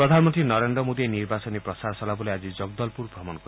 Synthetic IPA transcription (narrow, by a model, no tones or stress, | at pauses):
ɾɔd̪ʱanmɔnt̪ɾinɔɾend̪ɾɔmod̪ieniɾbasɔnipɾɔsaɾɔsɔlabɔlead͡ʒid͡ʒɔɡd̪ɔlpuɾbɾɔmɔnɔkɔ